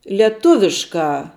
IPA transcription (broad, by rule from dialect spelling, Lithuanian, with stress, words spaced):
lʲiɛˈtʊʋʲɪʃkɑː